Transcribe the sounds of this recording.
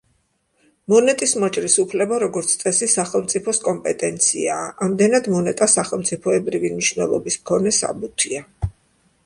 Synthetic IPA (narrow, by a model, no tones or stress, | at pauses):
mɔnɛt̪ʼismɔt͡ʃʼɾisupʰlɛbaɾɔɡɔɾt̪sʰt̪sʼɛsisaχɛlˠmt̪sʼipʰɔskʼɔmpʼɛt̪ʼɛnt̪sʰḭaːʔamd̪ɛnad̪mɔnɛt̪ʼasaχɛlˠmt̪sʼipʰɔɛbɾivimniʃvnɛ̰lˠɔ̰bismkʰɔnɛsa̰but̪ʰia